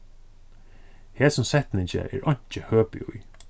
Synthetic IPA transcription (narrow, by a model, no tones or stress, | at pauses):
hɛːsʊmsɛht̪nɪɲt͡ʃə̰ɛ̰ːɹʔɔɲ̥t͡ʃəhøːpɪ̰uj